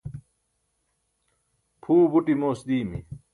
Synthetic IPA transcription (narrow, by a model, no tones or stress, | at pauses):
pʰuːbuʈimoːsd̪iːmḭ